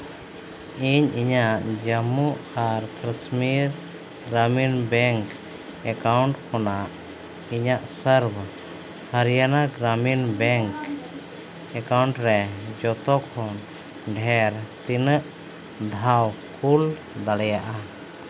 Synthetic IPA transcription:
iɲiɲaʔd͡ʒəmuʔaɾkɾəsmiɾ | ɡɾaminbɛŋk | ɛkawɳʈkɔnaʔ | iɲaʔsəɾb | həɾijanaɡɾaminbɛŋk | ɛkawɳʈɾɛd͡ʒɔt̪ɔkʰɔn | ɖʱɛɾt̪inəʔ | d̪ʱawkʰul | d̪aɽɛjaʔa

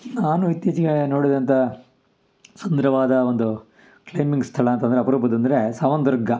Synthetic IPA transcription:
naːnuit̪jiːt͡ʃɐɡeno̞ːɽid̪ɐnt̪ɐ | sɐnd̪ɐɾɐʋaːd̪ɐond̪u | klejmiŋɡst̪ʰɐɭɐɐnt̪ɐnd̪ɐɾeɐpɐɾuːpɐd̪ɐnd̪ɐɾesɐʋɐnd̪ɐɾɡɐ

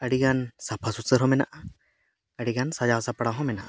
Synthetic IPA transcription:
əɽiɡansapʰasusəɾɦɔmɛna̰ʔa | əɽiɡansad͡ʒawsapɽaɦɔ̃mɛnaʔa

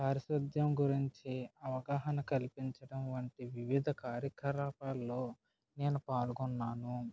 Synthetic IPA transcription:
kaːɾɐʃɾɐd̪jɐmɡuɾiɲt͡ʃiɐʋɐɡaːɦɐnɐkɐlipiɲt͡ʃɐɽɐmʋɐɳʈiʋiʋid̪ʱɐkaːɾjɐkʰɐɾaːpaːlːo̞ː | neːnupaːluɡunːaːnu

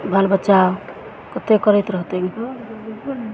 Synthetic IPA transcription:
bʱəlbətːt͡ʃao | kət̪ekəɾɛt̪ɾəɦt̪eɡ | k

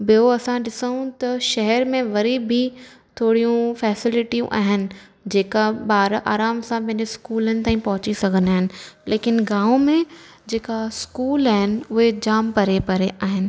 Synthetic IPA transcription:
bɪoɐsãɗɪsəɦũt̪ɐʃɐɦɛɾmẽʋɐɾibʱit̪ʰoːɽijũfɛːsɪlɪʈijṵ̃ʔa̰ːɦɪnɪ̆ | d͡ʑeːkabaːɾʔaːɾaːmsãpɛ̃ːneskuːlənɪ̆t̪aːĩpɐɦʊt͡ɕisɐɡʱənaːɦɪnɪ̆leːkɪnɡãːõmẽ | d͡ʑeːkaskuːlaːɦɪnɪ̆ʊɦed͡ʑaːmpɐɾepɐɾeʔaːɦɪnɪ̆

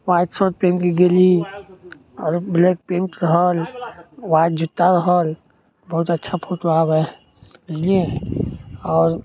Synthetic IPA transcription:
waːt̪sot̪̚pẽmkiɡeli | ɔːɾbleːk̚pẽːɳʈɾəɦəlʋaːt̪̚d͡ʒʊt̪ːaɾəɦəl | bɐɦʊt̪ətːʃʰapʰoːʈoaːbɦɛ | bɪd͡ʒliẽ | ɔːɾ

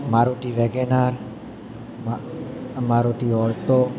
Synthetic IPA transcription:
maɾuʈiʋeɡenaɾ | m | maɾuʈiɔɭt̪o

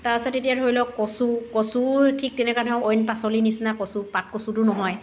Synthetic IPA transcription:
taɹpɛsatetijadʱoɹilɔkːɔsukɔsutʰik̚tɛnɛkanʰɔʊɔjnpasɔlinisnakɔsupat̚kɔsutʊnɔɦɔj

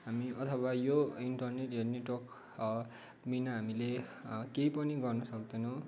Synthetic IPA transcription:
ɦamiʔʌt̪ʰʌwajoinʈʌrneʈeneʈwʌk | minaɦamilekejpʌniɡʌrnʌsʌk̚d̪ʌnʌ̃w̃

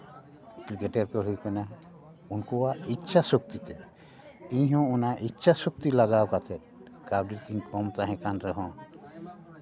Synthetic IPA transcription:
kɾikeʈeɾkɔɾɦujkɔna | unkɔwaitːt͡ʃʰasok̚t̪it̪ɛ | iɲɦɔ̃ɔnaʔitːʃʰasok̚t̪ilaɡawkat̪ʰɛt̪̚ | kaɾɖiɾt̪ʰinkɔmt̪aɦɛ̃kanɾɛɦɔ̃

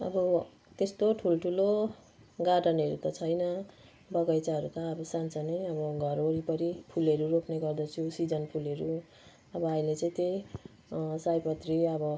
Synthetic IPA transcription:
ʌ̰bʌ | t̪est̪oʈʰuloʈʰulo | ɡaʈʌnʌɾut̪ʌt͡sʰʌjnʌ | bʌɡʌjt͡saɦʌɾut̪ʌːbʌsant͡sʌneʌbʌɡʱʌɾoɾipʌɾipʰuleɾuɾopneɡʌrd̪ʌt͡sʰusid͡zʌnpʰuleɾu | ʌbʌailet͡sʌĩt̪ej | sajpʌt̪riʌbʌ

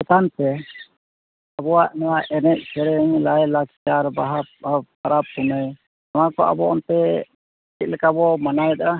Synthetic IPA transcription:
sɔt̪ant̪ɛ | abɔwaʔnɔwaʔɛnɛt̪̚ˀsɛɾɛŋlajlakt͡ʃaɾbaɦa | aɾap̚ːunəj | amakɔʔa̰bɔɔnt̪ɛ | it̪̚lɛkabɔmanajɛt̪aʔa

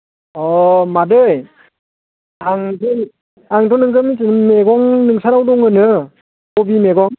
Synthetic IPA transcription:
ɔmadɯj | aŋdɯ | aŋdɔnɯŋɡɯmizɯnmeɡɔŋnɯŋsaɾawdɔŋɯnɯ | ɔbimeɡɔŋ

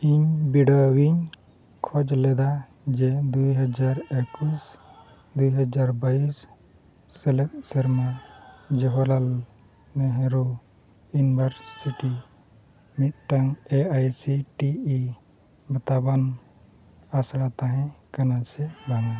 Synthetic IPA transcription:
iɲbiɽawiɲ | kʰɔd͡ʒlɛd̪a | d͡ʒed̪uɦəd͡ʒaɾɛkwis | d̪ujɦəd͡ʒaɾbaisː | ɛlɛt̪̚səɾmad͡ʒɔɦɔlal | meɦɛ̃ɾo | junibəɾsiʈi | mit̪̚ʈaŋeajsiʈii | bɐt̪aban | asɽat̪aɦɛ̃kɐnasɛbaŋa

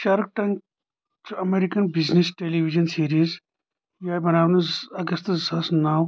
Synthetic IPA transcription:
ʃaːɾk̚ʈɐ̃n | tuɐmeːɾikɐnbiznesʈeliʋid͡ʒɐnsiːɾiz | jajbɐnaːʋnuzɐɡɐst̪zɐsnaw

